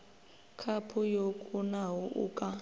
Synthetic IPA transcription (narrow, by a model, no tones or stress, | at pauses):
kʰapʰujokʼunaɦuʔṵːkʼa